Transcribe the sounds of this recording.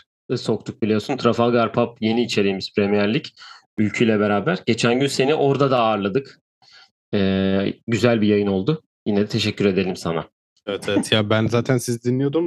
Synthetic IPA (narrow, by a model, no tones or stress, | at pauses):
so̞kt̪ʰuk̚bilʲijo̞sunt̪ʰɾafaɡaɾpʰapje̞niːt͡ʃʰe̞ɾʲijːmiz̥pʰɾemijæɾlʲic | ylʲcʰyjlʲɛbe̞ɾaːbæɾɟe̞t͡ʃʰænɟynse̞niʔo̞ɾd̪ad̪aːɾlˠad̪ɯk | ɛːɟyzælʲbijajɯno̞lˠd̪ʊ | jinɛd̪ɛt̪ʰe̞ʃɛcʰːyɾe̞d̪e̞lʲimsa̰na̰ | evɛt̪ʰevɛt̪jaːbænzaːt̪ʰænsizd̪inlːʲijo̞d̪um